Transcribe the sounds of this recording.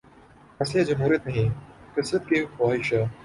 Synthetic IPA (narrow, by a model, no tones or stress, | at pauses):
ɐsijad͡ʒɐmɦuːɾijət̪nɐɦĩqɪsɾət̪̚kexaːɦɪʃa